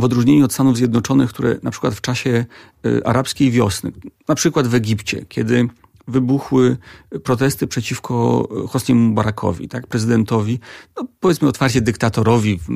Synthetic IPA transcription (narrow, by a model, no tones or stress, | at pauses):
vɔd̪ɾuʐɲeɲuɔt̪st̪anuvzʲjɛd̪nɔt͡ʂɔnɘxkt̪uɾɛ̰napʂɘ̥kwat̪ft͡ʂaɕɛ | ʔa̰ɾapskʲejvʲjɔsnɘ̰napʂɘkwad̪vɛɡʲipt͡ɕɛ̰kʲʰɛd̪ɘ | vɘbuxwɘpɾɔt̪̬ɛst̪ɘpʂɛt͡ɕifkʰɔ̰xɔsɲɛmubaɾakʰɔ̰vʲḭt̪ak̚pɾɛzɘd̪ɛnt̪ɔvʲinɔpɔvʲjɛt̪smɘɔt̪faɾt͡ɕɛd̪ɘkt̪at̪ɔɾɔvʲi